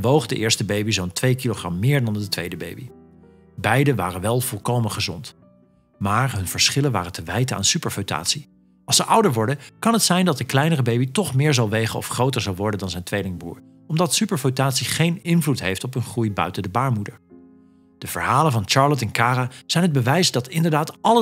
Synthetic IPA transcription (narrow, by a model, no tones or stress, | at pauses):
ʋowχdəʔɪːɹstəbejbizowntʋejkiloχrɑ̰mːɪːɹdɑndətʋejdəbḛjbi | bɛjdəʋa̰ːrəʋɛlˠv̥ɔlˠkowmənχəzɔ̰nt | maːɹɦɵnv̥əɹsχɪlənʋa̰ːrətəʋɛjtəa̰ːnsypəɹvowta̰ːtsi | ʔɑlˠsəʔʌwdəɹʋɔɹdəkɑnɦətsɛjndɑt̚dəklɛjnərəbejbitɔχmɪːɹzɑlˠʋejχəɔ̰fχrowtəɹzɑlˠʋɔɹdəndɑnzɛjntʋejlɪŋbṵːɹ | ɔmdɑtsypəɹvotaːtsiχejnɪnvlutɦejftɔpɦɵnχrujbœ̰ɥtəndəbaːɹmudəɹ | d̥əv̥ə̰ɹɦaːlənvɑnt͡ʃɑːɹlɔt̬ɛnkaːraz̥ɛjnɦəd̚bəʋɛjsdɑtɪndəɹdaːtɑlə